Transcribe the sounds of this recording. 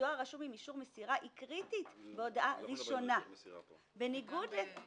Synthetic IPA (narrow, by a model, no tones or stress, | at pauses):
oaʁaʃumimiʃuʁmesiʁaʔikʁitit̪beo̞daʔaʁiʃo̞na | beniɡudle